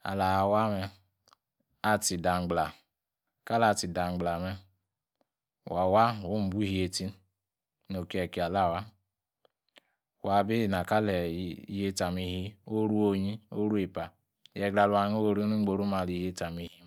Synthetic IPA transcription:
a̰˨la˨wa˦mɛ˧ | a˦ti˨da˨m˨ɡ͡bla˨ | ka˦la˨ti˨da˨ŋ͡mɡ͡bla˨mɛ˦˨ | wa˨wa˦˨wo˦m̩˨bu˦hi˦e˨ti˦n | no˨ki˨˦ɛ˨ki˨a˨la˦˨wa˦˨ | wa˨bi˦˨na˨ka˦lɛ˨i˨˦je˦ta˨mi˧hi˦o˦ɾu˦o˦ɲi˦o̰˦ɾu˦e˨pa˨ | jɛ˨ɡɾa˨lu˦a˨˦ŋo˦wo˨ɾi˦nu˦ŋ͡m̩˦ɡ͡bo˨ɾu˦ma˨li˨˦je˦ta˨mi˨hi˦

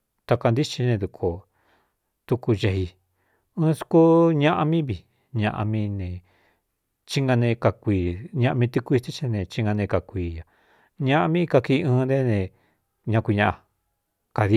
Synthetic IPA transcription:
t̪a˧ka˧nd̪i˦t͡ʃi˧nẽ˧d̪u˧kʰo˨ | t̪u˧ku˧ʒe˧ɦi˧ | ɨ̃ː˦su̥˧ku˦ɲã˦ʔa˧mĩ˦βi˨ | ɲã˧ʔa̰˧mĩ˧nẽ˨ | t͡ʃi˦ŋɡã˧nẽ˧ka˧kʷiː˧ɲã˧ʔa˧mĩ˧t̪i˧ku˧t̪i˦t͡ʃĩ˦˧nẽ˧t͡ʃi˦ŋɡã˧nẽ˧ka˨kʷiː˨ja˨ | ɲã˦ʔa˧mĩ˦˧ka˧ki˧ɨ̃ː˧nd̪e˦nẽ˧ | ɲã˧kʷi˧ɲã˧ʔa˧ | ka˨ði˧

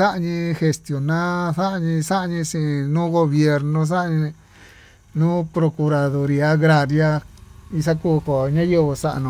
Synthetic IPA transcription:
sa˦ʔa˧ɲĩ˧he˧st̪jo˨nã˦θa˦ʔa˧ɲĩ˧sa˦ʔa˧ɲĩ˧ʂĩ˧˨˧nũː˦ɣo˧βje˧ɾnõ˧s̬a˦ʔɲĩ˧ | nũː˦pɾo˧ku˧ɾa˧ðo˧ɾi˧a˦ɣɾa˧ɾja˦i˧sa˦ku˦˧ko˨ɲã˦je˦˧βo˧sa˦ʔa̰˧nũ˨˧

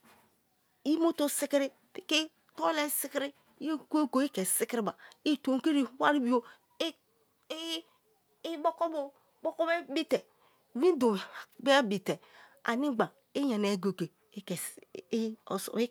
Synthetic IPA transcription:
i˦mo˦to˦si˦ki˦ɾi˦ | pi˦ke˦ | to˦le˦si˦ki˦ɾi˦ | je˦ko˦ɡo˨i˦ke˨si˦ki˦ɾi˦ba˨i˦˨to˨ŋ˨ke˦ɾi˨˦wa˦ɾi˦bi˦o˦ | bo˦ko˦bo˨ | bo˦ko˦be˦bi˦te˨ | wĩ˦do˨be˦bi˨te˨a̰˨ni˦ɡ͡ba˨ | e˦ɲa˨ne˨ɡo˨ke˨˦ | k | s

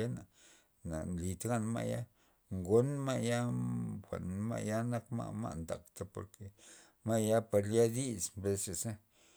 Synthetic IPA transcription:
e˦na˨ | na̰˨nli˨t̪ɡa˦nma̰˦ja̰˦ | ŋɡo˦nma˦ja˦xʷa̰˨ʔnma̰˦ja˦na˦kma̰˦ma̰˦ʔnd̪a̰˨kt̪a˦po̰˨ɾke˨ | ma˦ja˦pa˧ɾlja˦d̪i˦smbe˧se˨sa˦

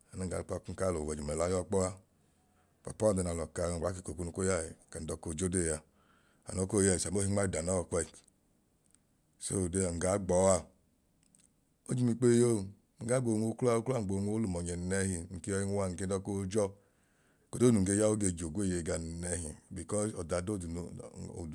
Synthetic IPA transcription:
a˨na˦˨ɡa̰˨k͡pa˧˨kŋ̩˦ka˦lo˨wɛ˨d͡ʒu˨m˨ɛ˨la˨˦jɔ˦k͡pɔ˦a˦˨ | pa̰˨pɔ˦˨dɛ˧n˨a˨lɔ˨ka˨ɡ͡ba˨˦ki˨ko˨ku˦nu˧ko˦ja˦˨ka˨n̩˨dɔ˧˦ko˧˨d͡ʒo˦de˦˨ja˧ | a̰˨nɔ˨˦ko˦˨ja˨i˨sa˨mo˦i˧ŋ͡ma˦i˨da˨nɔ˦˨kɛ˦˨ | so˦˨de˧a˨ŋ̩˨ɡa˨˦ɡ͡bɔ˨˦a˧ | o˦d͡ʒu˧˦mi˧k͡pe˦jo˦˨ | ŋ̩˨ɡa˨˦ɡ͡bo˧˨ŋo˧˦klu˦a˦˧o˦kla˦˨ɡ͡bo˨˧ŋʷo˧˦lu˨mɔ˨ɲɛ˨n˨nɛ˧˦hi˨ŋ̩˨ke˦ɔ˧i˦ŋ˦a˧˨ŋ̩˨ke˧˦dɔ˧ko˦d͡ʒɔ˦ | ko˨do˦˨u˨ŋ̩˨ɡe˦˧˦ja˦o˦ɡe˧˨d͡ʒo˨ɡʷe˦˨je˨ɡa˧n˨nɛ˧ɦi˨bi˨kɔ˦sɔ˨da˨do˦˨du˨n˨o̰˨

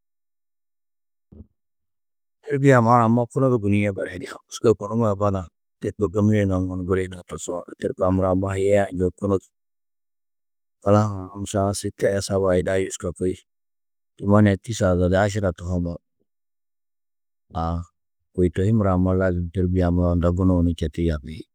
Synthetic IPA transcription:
te˦ɾbi˦ja˨ma˦ɾa˨ma˦ku˦no˦dɡu˨ni˦jɛ˦ba˨ɾhe˨˦di˦a˨msko˦ko˨nu˦ma˨ba˦na˨ | te˦t̚ko˨ɡa˦m˦e˦na˨ŋo˨n˨ɡu˦ɾe˦na˨ta˨sa̰˨te˦ɾka˨mu˨ɾa˨ma˦hje˦ja˦˨d͡ʒo˨ku˦no˦t | ka˨la˦˨m˨sa˦si˦tːi˦a˦ja˦sa˦ba˨ji˨da˦ju˦ska˨ko˦i˦ | tu˨ma˦ne˨ti˦sa˨za˨la˦ʃ̬i˦ɾa˨tu˨ɦo˦ma˨ | a˨ | ko˨i˨to˨hi˦mu˨ɾa˨ma˦la˦ɡi˨te˦ɾbi˦ja˨ma˨˦a˦nda˨ɡu˦no˦˨ni˨t͡ʃa˨ti˦ja˨bi˨˦

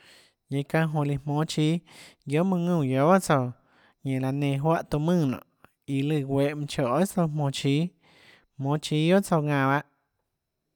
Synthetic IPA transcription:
ɲẽ˧kã˧ɦõ˧˨li˧mõ˨˦t͡ʃiː˦jo˦mũ˧ŋũ˧˨jo˨˦ba˦ʔt͡so˧˨ | ɲẽ˨ʔla˨nẽ˧˨ɦwa˦ʔt̪u˧˨mɨ̃˦˧˨nõ̰˨ʔ | i˧lɨ˧˨wʷe˧˦ʔmũ˧t͡ʃo˨ʔt͡so˧mõ˧˨t͡ʃiː˦ | mõ˧˦t͡ʃiː˧˦jo˦ʔt͡so˧ŋã˧˨βa˦ʔ

